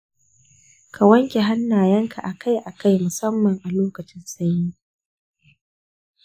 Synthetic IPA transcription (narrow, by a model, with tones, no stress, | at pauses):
kʰa˨wɐ˦ŋkʲe˨ɦa˦nːaː˨jɐ˦ŋkʰa˨ʔa˨kʰa˦jʔa˨ka˦jmʊ˨sɐ˦mːɐ˨ŋʔa˨loː˦kɐ˨t͡ʃɪ˦nsa˦jɲiː˦